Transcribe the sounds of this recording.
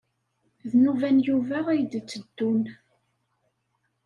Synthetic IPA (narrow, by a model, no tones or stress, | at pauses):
ðnuvænjuvæʁæjd̪t͡sːəd̪̥ːun